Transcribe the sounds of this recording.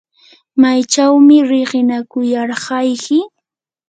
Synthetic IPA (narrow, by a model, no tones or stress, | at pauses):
majt͡ʃawmɪɾɪɢɪnakʊjɑɾɢɑjkɪ